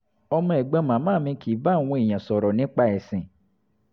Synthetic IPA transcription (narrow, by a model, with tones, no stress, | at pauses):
ɔ˧mã˧˦ɛ˨ɡ͡bã˧˦mã˨˦mã˦˨mĩ˧˦kʰi˨˦ba˦˨w̃ũ˧˦e˨j̃ã˨sɔ˨ɾɔ˨nĩ˨˦k͡pa˦ɛ˨sĩ˨